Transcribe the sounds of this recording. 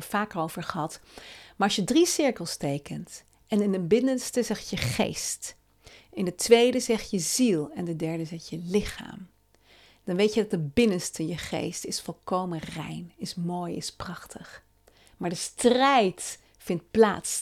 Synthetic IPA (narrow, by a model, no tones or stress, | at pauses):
əfaːkəɹolvəɹχəɦɑtmaːɹɑʃjədrisɪɹkəlˠstejkənt | ɛnɪndəbɪnənstəzɛχjəχḛjst | ʔɪndətʋejdəzɛχjəzilˠɛndədɛɹdəzɛχjəlɪχa̰ːm | d̥ɑnʋejtədɑt̚dəbɪnənstəjəχḛjstɪsfɔlˠkowmənrɛ̰jnɪsmoːjɪsprɑχtʰəχ | maːɹdəstrɛjt | fɪnt̚pla̰ːts